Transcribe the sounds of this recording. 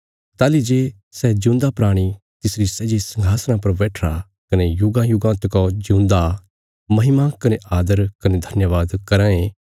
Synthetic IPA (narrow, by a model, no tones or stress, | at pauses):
t̪aːlid͡ʒeː | sɛd͡ʒũːnd̪apɾaːɽ̃i | t̪ɪsɾisɛd͡ʒesɐ̃ŋɡʱaːsnãpɐɾʋɛːʈʰɾa | kɐnejʊɡãjʊɡãːnt̪kod͡ʒũːnd̪a | mɐɦɪmakɐneʔaːd̪əɾkɐned̪ʱɐnjəʋaːd̪kɐɾãẽ